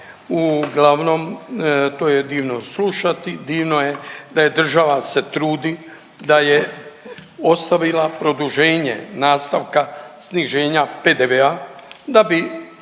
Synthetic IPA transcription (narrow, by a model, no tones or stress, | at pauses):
uɡlaʋno̞mt̪oːjed̪iːʋnosluʃat̪id̪iːʋno̞jed̪aje̞d̪r̩ʒaʋaset̪ɾuːd̪i | d̪aje | o̞st̪aʋilapɾo̞d̪uʒe̞ːɲḛnaːst̪aʋkasniʒeːɲape̞d̪eʋead̪abi